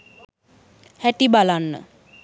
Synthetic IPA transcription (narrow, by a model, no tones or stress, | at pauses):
hɛʈibalanːə̰